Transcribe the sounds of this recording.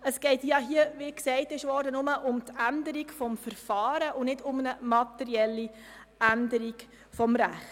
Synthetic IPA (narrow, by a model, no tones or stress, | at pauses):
əsɡ̥ɛɪtjɑɦiəʋiksɛɪtɪʃʋɔːɾdənʊməʔʊmtændəɾikfɔmfəɾfɑːɾəʔʊnɪdʊmnəmɑtɛɾiɛlːi | ændəɾiɡ | fɔmɾæχt